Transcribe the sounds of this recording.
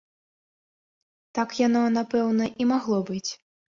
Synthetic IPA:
t̪akjanɔnapɛwnɐʔimaɣlˠɔbɨt͡sʲ

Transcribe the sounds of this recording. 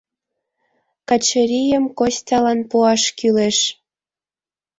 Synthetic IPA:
kɑt͡ɕə̆ɾʲijəmkosʲtʲɑlɑnpuɑʃkyleʃ

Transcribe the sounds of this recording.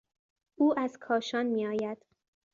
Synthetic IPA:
ʔuːʔæzkʰɒːʃɒːnmiːɒːjæd̪̥

